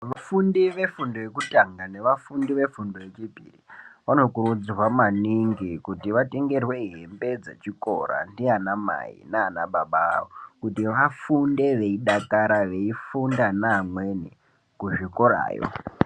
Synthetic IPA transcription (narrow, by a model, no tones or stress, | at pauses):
ʋafundiʋe̞fundojekutaŋɡane̞ʋafundiʋe̞fundoje̞t͡ʃibʱḭriʋano̞kurud͡zirwamaniŋɡikutiʋateŋɡe̞rwe̞iɦembe̞d͡ze̞̰t͡ʃiko̰ɾa̰ndianama̰ḭnaːnaɓaɓaokutiʋafunde̞ʋe̞iɗakaɾaʋe̞ifundanaːmwe̞ni | kuʐikoɾa̰ːjo̰